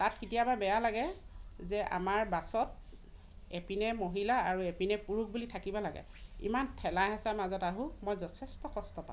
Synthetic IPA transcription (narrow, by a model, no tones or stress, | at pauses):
tatkitijababɛjalaɡɛzɛʔa̰maɹbasɔt̚ | epinɛmoɦilaaɹuepinɛpuɹuk̚bulitʰakibɔlaɡɛ̰ | ḭmantʰɛlaɦɛsamazɔtaɦũmojzɔtʰɛstɔkɔstɔpã̰